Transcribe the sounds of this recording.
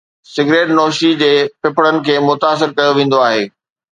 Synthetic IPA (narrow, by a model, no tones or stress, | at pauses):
sɪɡɾeːʈnɔːʃid͡ʑeːpɪpɽənɪ̆kʰeːmʊt̪aːs̬ɪɾkɐjoʋẽːn̆d̪oaːɦeː